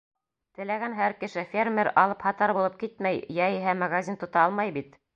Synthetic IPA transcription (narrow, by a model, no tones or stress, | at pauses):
t̪ɘ̆læɡænɦæɾkɘ̆ʃɘfʲermʲeɾɑ̰lˠɤphɑt̪ɑɾbulˠɤp̚kit̪mæjjæjiɦæmɐɡazʲint̪ŏt̪ɑɑlˠmɑjbit̪